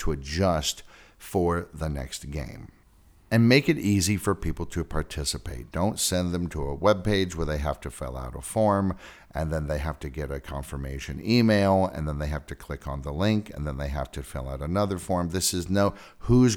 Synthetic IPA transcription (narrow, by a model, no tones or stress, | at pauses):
tʰəɨd͡ʒʌst | fə˞ðənɛ̰ks̚ɡ̥ḛ̃ɪ̃m | ɨ̃nmeɪkɨɾizifə˞pʰipl̩ˠtʰɨpʰɑɹtʰɪsɨpʰeɪt̚d̥õʊ̃ntsɛ̃nðɨ̃mtʰəəwɛb̚peɪd͡ʒwə˞ðeɪɦæftɨfɛ̰lˠa̰ʊɾəfɔɹm | ʔɨ̃nðɨ̃nðeɪɦæftɨɡɛɾɨkʰɑ̃ɱfə˞meɪʃɨ̰̃nimeɪlˠɨ̰̃nðə̃nðeɪɦæftɨkʰl̥ɪkn̩ðəlɪ̃ŋkɨ̃nðə̃nðeɪɦæftʰɨfɪ̰lˠaʊɾənʌðə˞fɔɹmðɪsɨznoʊ | huz